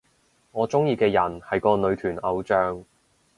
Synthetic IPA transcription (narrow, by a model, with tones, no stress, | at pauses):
ŋɔː˨˧t͡sʊ˥ŋjiː˧kɛː˧jɐ˨˩nhɐ˨jkɔː˧nɵ˨˧ɥt̪ʰyː˨˩nɐ˨˧wt͡ʃœː˧ŋ